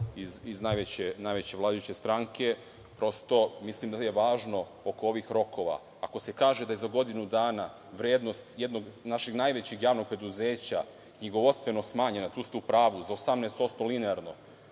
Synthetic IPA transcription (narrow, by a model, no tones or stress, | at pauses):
iziznajʋet͡ɕenajʋet͡ɕe̞ʋlaːd̪ajut͡ɕe̞st̪ɾaːŋkʰe̞ | pɾo̞st̪o̞mislˠimd̪ajeʋaːʒno̞ | oko̞o̞ʋixɾo̞ko̞ʋa̰ːko̞se̞kaːʒe̞d̪ajezaɡo̞d̪inud̪aːna | ʋɾeːd̪no̞st̪je̞d̪no̞ɡnaʃeɡnajʋet͡ɕeɡjaːʋno̞ɡ̚pɾe̞d̪uzeːt͡ɕa | kɲiɡo̞ʋot̪st̪ʋe̞no̞smaːɲenat̪uːst̪uːpɾaːʋuzaosamnest̪o̞t̪st̪o̞lineaɾno̞